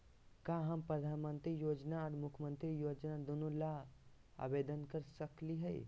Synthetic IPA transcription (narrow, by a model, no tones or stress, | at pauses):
kaːɦəmpɾəd̪ʱaːnmə̃nt̪ɾijoːd͡ʒnaɔːɾmʊkʰmə̃nt̪ɾijoːd͡ʒnad̪unula | a̰beːd̪ənkəɾsəkliɦɛː